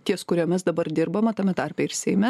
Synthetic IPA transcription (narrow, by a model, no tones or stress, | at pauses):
t̪ʲiɛskʊɾʲoːmʲɪsd̪ɐbɐɾd̪ʲɪɾbɐmɐt̪ɐmʲɛt̪ɐɾʲpʲɛːɪɾsʲɛɪmʲɛ